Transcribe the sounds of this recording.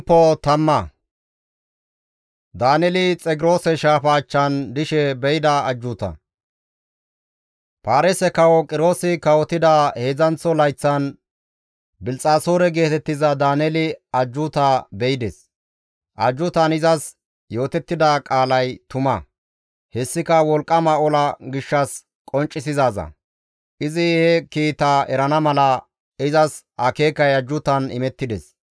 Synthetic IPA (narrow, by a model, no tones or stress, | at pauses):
pːɔt̪ɐmːɐ | d̪aːnɛlɪt͡sʼɛɡɪɾo̞ːsɛʃaːfaːt͡ʃːɐnd̪ɪʃɛbɛjɪd̪ɐɐd͡ʒːʊːt̪ɐ̰ | paːɾɛsɛkɐwɔkʼɪɾo̞ːsɪkɐwɔt̪ːɪd̪ɐhe̞ːzɐnt͡sːɔlɐjt͡sːɐn | bɪlt͡sʼaːso̞ːɾɛɡe̞ːt̪ɛt̪ːɪzɐd̪aːnɛlɪɐd͡ʒːʊt̪aːbɛjɪd̪ɛs | ʔɐd͡ʒːʊt̪ɐnɪzɐs | jo̞ːt̪ɛt̪ːɪd̪ɐkʼaːlɐjt̪ʊmɐ | hɛsːɪkɐwɔlkʼːɐmɐɔlɐɡɪʃːɐs | kʼɔnt͡ʃʼːɪsɪzaːzɐ̰ | ʔɪzɪhɛkiːt̪aːɛɾɐnɐmɐlɐ | ɪzɐs | ɐke̞ːkːɐjɐd͡ʒːʊt̪ɐnɪ̰mɛt̪ːɪd̪ɛs